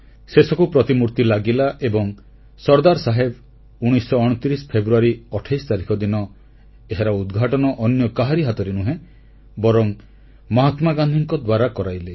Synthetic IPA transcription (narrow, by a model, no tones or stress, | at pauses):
sesɔkupɾɔt̪imuɾt̪ilaɡilaʔebɔŋ | sɔɾd̪aɾsaɦeb | uɽ̃isɔːɽ̃ɔt̪ɾispʰebɾuaɾiɔʈʰajst̪aɾikʰɔd̪inɔ | eɦaɾɔud̪ɡʱaʈɔnɔʔɔnjɔkaɦaɾiɦat̪ɔɾenuɦẽ | bɔɾɔŋ | mɔɦat̪maɡand̪ʱiŋkɔd̪waɾakɔɾajle